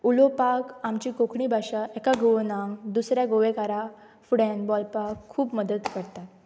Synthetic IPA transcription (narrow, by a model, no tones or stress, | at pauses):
ulopakamt͡ɕiːkokʰɳiːbʱaɕaʔɛkaɡoʋnãŋɡd̪usɾjaɡoʋekaɾa | fuɽɛ̃nbɔlpakʰːuːpməd̪ət̪kəɾt̪at̪